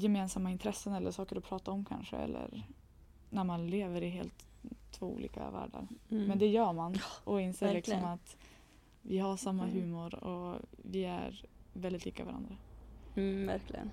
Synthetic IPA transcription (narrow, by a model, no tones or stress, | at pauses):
jɛmeːnsamːaɪnt̪ʰɾɛsːənɛlːəʂɑːkəɾɔpʰɾɑːt̪aɔmkʰa̰nʂə̰ɛ̰lːə̰ɾ | næɾmanleːvəɾɪɦeːlt̪ʰː | voːṵːlḭːka̰væ̰ːɖa̰ɾmɛnd̪ɛjœːɾmanʔɔɪnseːɾlɪksɔmat̪ | vɪɦaʂamːaɦʉ̟ːmʊɾɔvɪæ̰ɾvɛld̪ɪt̪liːkavaɾa̰nd̪ɾa | æ̰ɾklɪ̰ə̰n